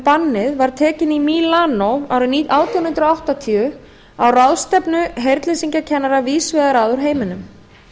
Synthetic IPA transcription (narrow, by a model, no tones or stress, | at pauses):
panːɪðvaɾ̥t̪ʰɛːcɪnimilaːnowawɾʏniʔaːwt̪ʰijawnʏnt̪ɾoawht̪at̪ʰiʏ | awrawðst̪ɛpnʏɦejɾt̪lɪsiɲcacʰɛnːaɾaviːsvɪðaɾaːðʏɾ̥ɦeːjmɪnʏm